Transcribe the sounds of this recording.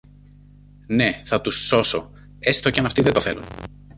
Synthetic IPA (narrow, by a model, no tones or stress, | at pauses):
ne̞θɐt̪usːo̞so̞̰ | est̪ocɐnɐft̪iðet̪oθe̞̰lṵn